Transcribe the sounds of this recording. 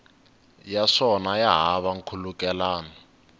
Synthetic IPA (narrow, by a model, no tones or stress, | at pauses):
jaʂɔnajaɦaβaŋ̩kʰulukɛlaːnɔ